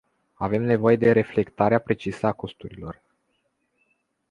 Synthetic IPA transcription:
ave̞mne̞vo̞je̞d̪e̞ɾe̞fle̞kt̪aɾeapɾe̞t͡ʃisəako̞st̪uɾilo̞r

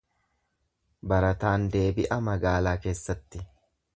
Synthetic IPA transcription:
bɐɾɐt̪aːnd̪e̞ːbɪʔɐmɐɡaːlaːke̞ːsːɐt̪ːɪ

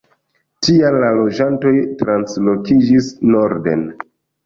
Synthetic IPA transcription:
tialːalo̞d͡ʒanto̞jtɾanslo̞kid͡ʒisno̞ɾde̞̰n

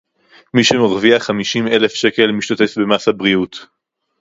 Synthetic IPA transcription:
miʃemoʁviaχamiʃime̞lefʃe̞ke̞lmiʃt̪at̪efbe̞masabʁiut

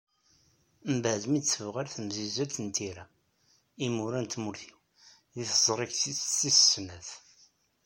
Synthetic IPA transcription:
mbəʕðəmisəvʁaɾθəmzizælt̪ənt̪iɾæ | imuɾænt̪muɾθiw | ðiθəzˤɾˤiksiissnæθ

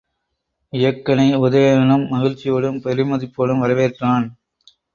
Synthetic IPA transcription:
ɪjɐkːɐnɐɪʊðɐjɐɐnɐmːɐɣɪɻt͡ʃːɪjoːɽɯmpɐɾɪmɐðɪpːoːlɯmʋɐɾɐʋeːrʈraːn

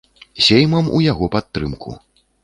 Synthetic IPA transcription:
sʲejmɐmṵjaɣɔpat̪ːɾɨmkʰṵ

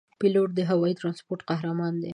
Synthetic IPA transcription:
piloʈ̚d̪əɦawɑit̪ɾɑnspoɾʈqaɦɾamɑnd̪e

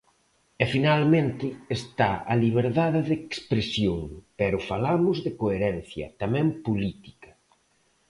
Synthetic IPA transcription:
ɛfinalmẽnt̪ɪest̪aɐliβ̞eɾðaðɪðekspɾesjoŋpɛɾʊfalamʊzðɪkoeɾɛn̟θjɐ̰t̪amɛ̃mpolit̪i̥kɐ̥

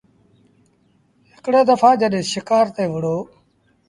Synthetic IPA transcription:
ɦɪkɽeːd̪əfʰaːd͡ʒəɗɦɪ̃ːʃɪkaːɾt̪eːʋʊɽoː

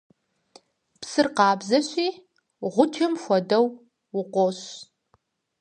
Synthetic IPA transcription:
psɨrqɑːbzɐɕʷiː | ʁʷʊtʰɪmxʷɔdɐw | wʊqʷoɕ

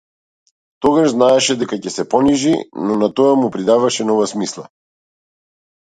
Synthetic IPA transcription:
t̪ɔɡaʒznaɛʃɛd̪ɛkacɛsɛpɔniʒinɔnat̪ɔamupɾid̪avaʃɛnɔvasmislˠa̰

